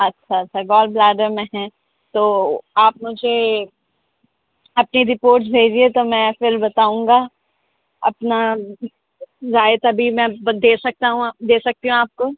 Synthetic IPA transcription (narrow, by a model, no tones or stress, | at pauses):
ɐtːʃʰaɐtːʃʰaɡɔːlblaːɖəɾmẽɦɛ̃ | t̪oːaːpmʊd͡ʒʱe | ɐpniɾɪpoːɾʈs̬bʱeːd͡ʒiet̪omɛ̃fɪɾbɐt̪aːũːŋɡa | ɐ̰pna | zaːɪt̪ɐbʱimɛ̃bd̪eːsɐk̚t̪aɦũd̪eːsɐk̚t̪iɦũaːp̚koː